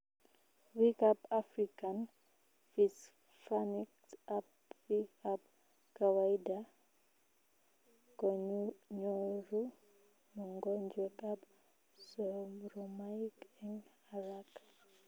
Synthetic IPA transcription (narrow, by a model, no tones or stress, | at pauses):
wikapafɾikan | fis | faniktap | wiap̚ | kawaida | kɔɲuɲɔɾu | nuŋɡɔnd͡ʒɛkap | sɔɾɔmaikɛŋ | aɾak